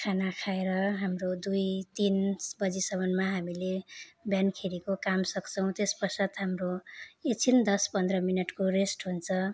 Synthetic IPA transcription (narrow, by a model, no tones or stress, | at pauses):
kʰanakʰaeɾʌɦamrod̪ujt̪insbʌd͡zisʌmʌnmaɦamilebjankʰeɾikokamsʌkt͡sʰʌw̃t̪espʌrsat̪ɦamroet͡sʰind̪ʌspʌnd̪rʌminʌʈkoresʈɦunt͡sʰʌ